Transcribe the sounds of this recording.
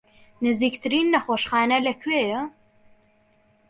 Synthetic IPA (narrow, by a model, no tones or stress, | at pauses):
nɨziːkt̪ʰɨɾiːnːɐxoːʃxaːnɐlɐkʰweːjɛ